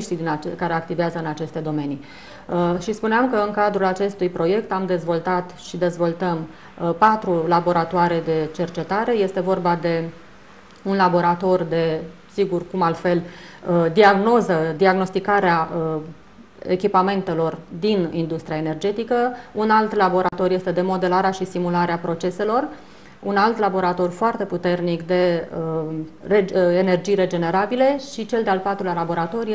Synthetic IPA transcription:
ʃt̪id̪inakaɾeak̚t̪iveazəɨnat͡ʃe̞st̪e̞d̪o̞me̞ni | ʃispuneamkəɨŋkad̪ɾulat͡ʃe̞st̪ujpɾo̞je̞kt̪amd̪e̞zvo̞lt̪at̪ʃid̪e̞zvo̞lt̪əm | pat̪ɾulabo̞ɾat̪oaɾed̪e̞t͡ʃe̞rt͡ʃe̞t̪aɾe̞je̞st̪e̞vo̞rbad̪e̞ | unlabo̞ɾat̪o̞rd̪e̞ | siɡurkumalfe̞ləd̪iaɡno̞zəd̪iaɡno̞st̪ikaɾea | ḛkʲipame̞nt̪e̞lo̞rd̪inind̪ust̪ɾiaene̞rd͡ʒe̞t̪ikəunalt̪labo̞ɾat̪o̞rje̞st̪e̞d̪e̞mo̞d̪e̞laɾeaʃist̪imulaɾeapɾo̞t͡ʃe̞se̞lo̞r | unalt̪labo̞ɾat̪o̞rʲfoart̪e̞put̪e̞rnikd̪e̞əreene̞rd͡ʒijre̞d͡ʒe̞ne̞ɾabile̞ʃit͡ʃe̞ld̪ealpat̪ɾulalabo̞ɾat̪o̞rʲje

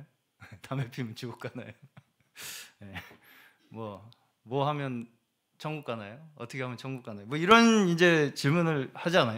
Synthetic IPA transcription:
o | tamepʰimɯnt͡ɕuɡok͈anajo | je | mwʌ | mwʌɦamjʌn | t͡ɕʰʌŋɡuk͈anajoʌ̰tʰʌkʰeamjʌnt͡ɕʰʌŋɡuk͈anajomwʌiɾʌnind͡ʑe̞t͡ɕiɭmunɯɭhad͡ʑianajo

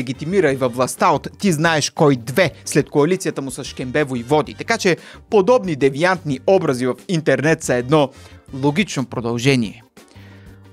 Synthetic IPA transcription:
ɛɡʲit̪imiɾɐivɐvvlˠɐst̪aot̪ːiznaɛʃkɔjd̪vɛslɛt̪koɐlit̪sijət̪əmʊsɐsʃkɛmbɛvoivɔd̪ḭt̪ɐkat͡ʃɛpod̪ɔbnid̪ɛviant̪niɔbɾɐzivɐfint̪ɛɾnɛt̪sɐɛd̪nɔlˠoɡ̟it͡ʃnopɾod̪ɐlˠʒɛniɛ

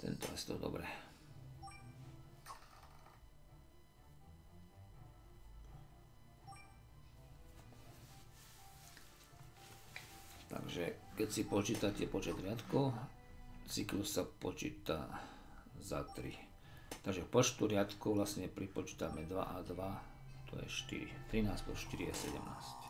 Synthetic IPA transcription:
t̪ɛ̰nt̪ɔ̰ɛ̰st̪ɔ̰d̪ɔ̰bɾɛ | t̪a̰ɡʒɛkɛcsipɔt͡ʃiːt̪acɛpɔt͡ʃɛd̪ɾɪat̪kɔʊ | t͡siklussapɔ̰t͡ʃḭːt̪a̰ | za̰t̪ɾḭ | t̪aɡʒɛkpɔt͡ʃt̪uɾɪat̪kɔʊʋlasɲɛpɾipɔt͡ʃi̥ːt̪amɛd̪ʋa̰ʔad̪ʋa | t̪ɔ̰jɛ̰ʃt̪ḭɾḭt̪ɾinaːspɔ̰ʃt̪iɾia̰sɛ̰ɟɛ̰mna̰ːsc

